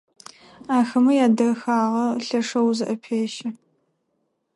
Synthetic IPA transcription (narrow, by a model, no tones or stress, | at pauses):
aːxɐmɐjaːdɐxaːʁɐɬɐʂɐwzɨʔɐpʰeːʃɐ